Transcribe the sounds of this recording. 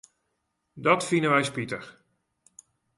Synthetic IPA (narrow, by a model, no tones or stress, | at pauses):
dɔtfindəʋɛjspitəx